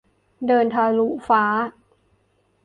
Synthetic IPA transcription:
dɤː˧nt̪ʰaː˧lu˦˥faː˦˥

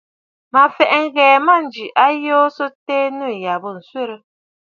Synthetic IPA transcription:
ma˨fɛ˨ʔŋ̩˦ɣɛː˨ma˦˨n˨d͡ʒi˨ʔa˦joː˦so˦tɛː˦nə˦˨ja˨bə˨n̩˨sɥe˦ɾə˦

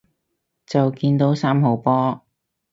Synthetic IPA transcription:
t͡sɐ˨wkiː˧nt̪o˨˥wsaː˥mɦo˨˥wpɔː˥

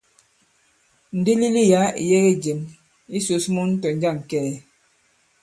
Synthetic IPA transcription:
n̩˨di˦li˦li˦ja˨˦ḭ˨jɛ˦ɣe˦d͡ʒe˨m | i˦so˨smɔ˦n̩˦tɔ˨n̩˦d͡ʒa˦˨ŋ˨kɛː˦˨

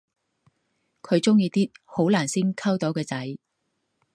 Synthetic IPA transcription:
kʰɵ˨˧ɥt͡sʊ˥ŋjiː˧t̪iː˥t̚ho˨˥wlaː˨˩nsiː˥nkʰɐ˥wt̪o˨˥wkɛː˧t͡sɐ˨˥j

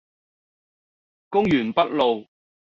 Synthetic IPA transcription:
kʊ˥ŋjyː˨˩npɐ˥t̚lo˨w

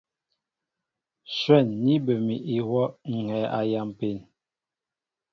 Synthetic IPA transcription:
swɛ˦˨nːi˦bə˨mi˨ʔi˨wɔ˦ŋ̩˨ŋɛ˨˦ʔa˨ja˨m˨pe˨n

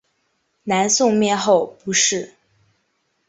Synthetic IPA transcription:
na˧˥nsʊ˥˧ŋmjɛ˥˧nxo˥˩ʊpu˧˥ʂɻ̩˥˩

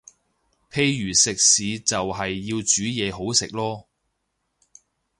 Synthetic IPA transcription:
pʰe˧jɥyː˨˩sɪ˨k̚siː˨˧t͡sɐ˨wɦɐ˨jːiː˧wt͡ʃyː˨˥jɛː˨˧ɦo˨˥wsɪ˨k̚lɔː˥

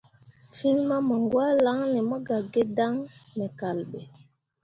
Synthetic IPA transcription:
fi˦nma˦mɔ˨ŋɡwa˦la˨˦ŋnɛ˨mɔ˦ɡa˨ɡe˦da˦ŋmɛ˨ka˨lɓɛ˨

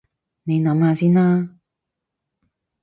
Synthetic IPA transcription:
ne˨˧jnɐ˨˥mhaː˨˧siː˥naː˥

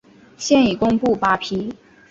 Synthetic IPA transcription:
ɕjɛ˥˩ni˨˩kʊ˥ŋpu˥˩pa˥pʰi˥

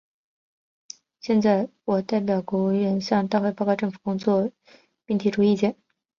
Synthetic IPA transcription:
ɕjɛ˥˧nt͡sa˥˩ɪwɔ˨˩t̪a˥˩ɪp̬jɑ˨˩ʊkwɔ˧˥u˧˥˩ɥɛ˧˥nɕjɑ˥˧ŋt̪a˥˧xe˥˧ɪpɑ˥˧kʈ͡ʂɤ˥˩ŋfu˨˩kʊ˥ŋt͡swɔ˥˧ | pi˥˩ŋt̪ʰi˧˥ʈ͡ʂu˧˥i˥˩t͡ɕjɛ˥˩n

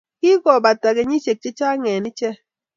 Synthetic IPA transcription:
ki˦kɔ˨ba˨ta˨ɣe˨˦ɲi˦t͡ʃe˨k̚t͡ʃe˦t͡ʃa˦ŋɛː˨ni˦t͡ʃɛ˦

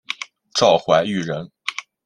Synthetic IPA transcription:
ʈ͡ʂɑ˥˩ʊxwa˧˥ɪy˥˩ɻə˧˥n

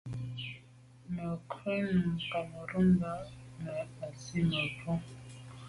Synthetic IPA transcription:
nə˨kʰi˦n˨ka˨mə˨ɾu˦ŋɡa˦mɛ˨a˨si˦nə˨tʰɔ˦

